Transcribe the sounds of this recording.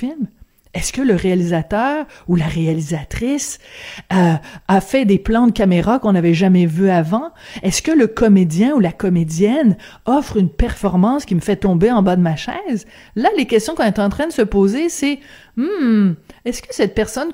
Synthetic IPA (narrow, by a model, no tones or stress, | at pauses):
ilm | ɛskʲələʁealizat̪œːʁulaʁealizat̪χisøafɛd̪eplɑ̃d̪əkʲameʁakɔ̃navɛʒamɛvyavɑ̃ɛskʲələkɔmed̪jɛ̃ulakɔmed̪jɛn | ɔfχynpɛʁfɔʁmɑ̃skʲiməfɛt̪ɔ̃beɑ̃bad̪əmaʃɛːz | lalekʲɛst̪jɔ̃kɔ̃net̪ɑ̃t̪χɛ̃d̪əsəpoːzesɛ | m̩ | ɛskəsɛt̪̚pɛʁsɔn